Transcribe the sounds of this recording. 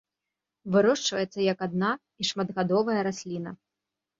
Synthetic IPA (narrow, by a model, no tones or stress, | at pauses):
vɨɾɔʂt͡ʂvɐjɛt̪sːɐjɐkad̪na | iʂmɐd̪ɣad̪ɔvɐjɐɾasʲlʲinɐ